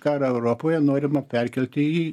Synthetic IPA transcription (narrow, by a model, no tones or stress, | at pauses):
kɑːɾɐɛʊɾoːpoːjɛnoːɾʲɪmɐpʲɛrʲkʲɛlʲt̪ʲɪiː